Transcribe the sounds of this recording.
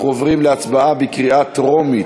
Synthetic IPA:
χovʁimleat͡sbaʔabekʁiat̪ʁomit

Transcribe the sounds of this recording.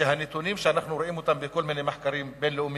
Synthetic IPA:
aɦænit̪uniːmʃænːaħnuɾʔiːmut̪ambikʊlmɪnimaħkaɾiːmbeːnlʔʊmː

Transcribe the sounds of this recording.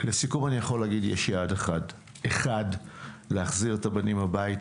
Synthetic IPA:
le̞sikumanijaχo̞leaɡidjeʃjeadeχad | eχadleaχziʁetabanimhabait

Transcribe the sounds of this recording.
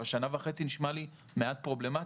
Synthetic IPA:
aʃanaveχe̞t͡siniʃmali | meat̚pʁo̞ble̞ma

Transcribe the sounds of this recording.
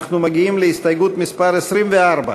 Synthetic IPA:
χnumaɡʲiimleist̪ɐjɡut̪mispaɾesɾimveaɾba̰

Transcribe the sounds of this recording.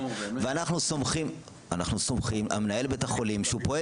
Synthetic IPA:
veanaχnuso̞mχim | anaχnuso̞mχima̰menae̞lbet̪aχo̞limʃeupo̞e

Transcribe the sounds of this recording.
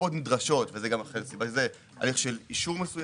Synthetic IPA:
od̪midʁaʃo̞tvezeɡamaχelsibaʃeze | a̰liχʃeliʃuʁme̞suj

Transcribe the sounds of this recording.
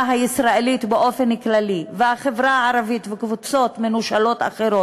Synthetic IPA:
ɦaisʁaelit̪beʔo̞fenklalivehaχevʁaaʕaɾavit̪vekvut͡so̞tmenuʃalo̞ta̰χeɾo

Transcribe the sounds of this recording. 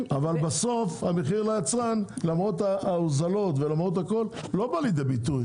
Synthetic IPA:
avalbaso̞fhameχiʁlajat͡sʁanlamʁot̪aozalo̞t̪velamʁot̪hako̞lːo̞balid̪ebit̪uj

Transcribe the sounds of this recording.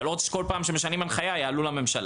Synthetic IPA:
lot̪ko̞lpaːmʃemeʃanimanχajajaːlulame̞mʃal

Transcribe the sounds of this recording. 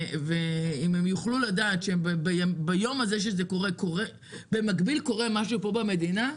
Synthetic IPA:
veimemjuχluladaːtʃebebejambajo̞maze̞ʃ̬ezeko̞ʁe̞ko̞ʁe̞ | bemakbilko̞ʁe̞maʃ̬upo̞bame̞dina

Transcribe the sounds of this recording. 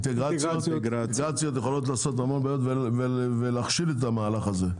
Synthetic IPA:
nt̪eɡʁat͡sjot̪ | tɡʁat͡sijot̪jeχolo̞t̪̬laːso̞t̪̬amonbajot̪vevevelaχʃilet̪̬amaːlaχaze̞

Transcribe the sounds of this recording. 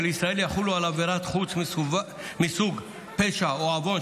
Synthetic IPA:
elisʁaeljaχulualaveɾat̪χut͡smi | misuɡ | peʃaoavo̞n

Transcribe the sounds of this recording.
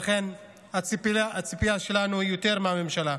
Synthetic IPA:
χe̞n | aipiaat͡sipiaʃe̞lanuijot̪e̞ʁmeame̞mʃala

